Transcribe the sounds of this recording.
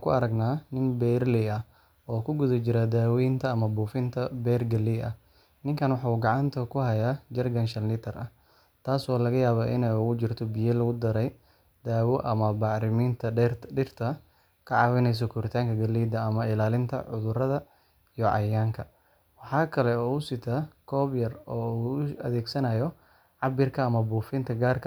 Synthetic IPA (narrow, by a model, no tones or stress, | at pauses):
ŋkʰʊɐɾɐɡnaːnɪnbɛrlɪɐ | ɔːkʰʊɡʊðɐt͡ʃɪɾad̪aːwijnt̪ʰɐːmɐbuːfɪnt̪ʰɐbɛːrɡɐliːɐ̰h | nɪŋkʰɐnwɑħɑuːɡɑʕɑnt̪ʰɐkʰʊɦɐjaːd͡ʒɐrɡɐnʃɐnlɪt̪ʰɐrɐ̰h | t̪ʰaːsɔːlɐɣɐjaːβaːʔɪnɛjʊɣʊt͡ʃɪrt̪ʰɔbijɐlɐɣʊd̪ɐɾɛj | d̪aːwɔʔɐmɐbɑʕɾɪmiːnt̪ʰɐɖɪrt̪ʰɐ | kʰɐʕɑwɛnɛjs̬ɔkʰʊɾɪt̪ʰaːŋkʰɐɡɐlːiːd̪ɐːmɐɪlaːlɪnt̪ʰɐ̰ʕʊðʊɾɐðɐ | ijɔʕɑ̰jaːŋkʰɐ | wɑħɑːkʰɐlɛɔːʊsɪt̪ʰaːkʰɔːbjɐrɔːuɐ̰ðɛːɡsɐnɐjɔ | ʕɑbɪrkʰɐːmɐbuːfɪnt̪ʰɐɡaːrkʰɐ